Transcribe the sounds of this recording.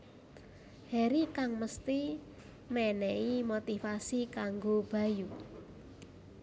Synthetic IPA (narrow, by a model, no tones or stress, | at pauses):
hɛɾikaŋməst̪i | mɛnɛimot̪ifasikaŋɡob̥ä̤ju